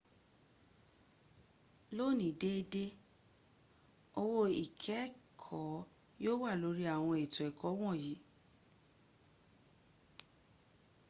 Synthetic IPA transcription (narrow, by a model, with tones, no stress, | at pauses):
lo˦˨nĩ˨de˦e˧de˦ | o˧wo˧i˨kʰɛ˨˦kʰɔ˨˦ | joː˦wa˦˨lo˨˧˦ɾi˦a˦˨w̃ɔ̃˧ɛ˨tɔ˨ɛ˨kʰɔ˨˦w̃ɔ̃˦˨ji˨˦